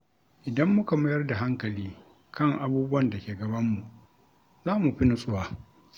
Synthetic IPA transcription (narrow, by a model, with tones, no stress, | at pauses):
ʔɪ˨dɐ˦mːʊ˦ka˨mɐ˦jɐ˦rda˨ɦa˦ŋkɐ˨liː˦ | kʰɐ˦˨ŋʔa˨buː˦bʊ˦wɐ˦˨nda˨kʲeː˨ɡɐ˨bɐ˦mːu˨ | zaː˦mu˨ɸi˦nʊ˦sʼʊ˦waː˨